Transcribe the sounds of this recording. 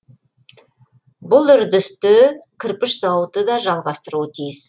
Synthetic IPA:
bʊlˠʏɾd̪ɪst̪ɪkʲʰɪɾpɪʃsɑwət̪əd̪ɑʒɑlˠʁɑst̪əɾuət̪ʰijɪs

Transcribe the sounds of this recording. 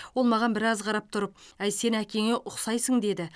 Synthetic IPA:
wo̞lˠmɑʁɑnbɪɾɑzqʰɑɾɑp̚t̪ʰʊɾəp̚æjse̞nækʲe̞ŋe̞ʔʊqsɑjsəɴd̪e̞d̪ɪ

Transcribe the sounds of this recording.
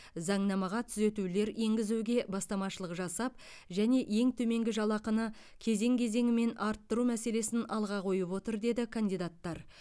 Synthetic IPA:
zɑɴnɑmɑʁɑt̪ʰʏze̞t̪ule̞ɾe̞ŋɡʲɪzuɡʲe̞bɑst̪ɑmɑʃəlˠəqʒɑsɑp̚ | ʒæne̞ʔje̞ŋt̪ʰɵme̞ŋɡʲɪʒɑlˠɑqənə | kʲʰe̞ze̞ŋkʲʰe̞ze̞ŋɪme̞nɑɾt̪ːəɾumæse̞le̞sɪnɑlˠʁɑqʰo̞jəpwo̞t̪əɾd̪e̞d̪ɪkʰand̪ijd̪at̪ːɑɾ

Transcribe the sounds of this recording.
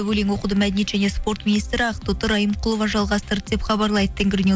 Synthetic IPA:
wɵleŋwo̞qud̪əmæd̪enie̞t̪ʒæne̞spo̞ɾt̪minijst̪ɾɪɑqət̪ot̪əɾɑjəmqqʰʊlˠovɑʒɑlˠʁɑst̪əɾd̪e̞pχɑbɑɾlˠɑjd̪ət̪ʰeŋɡʲɪɾɪne

